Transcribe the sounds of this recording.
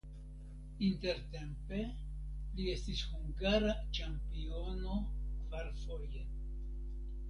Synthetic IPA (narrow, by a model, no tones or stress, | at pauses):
inte̞ɾte̞mpe̞ | lie̞stishuŋɡaɾat͡ʃampio̞no̞kvaɾfo̞je̞